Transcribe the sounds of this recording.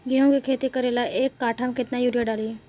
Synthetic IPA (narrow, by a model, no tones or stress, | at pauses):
ɡiõŋɡekʰet̪iːkəɾelaʔekːaʈʰamkʰet̪najuɾijəɽaliː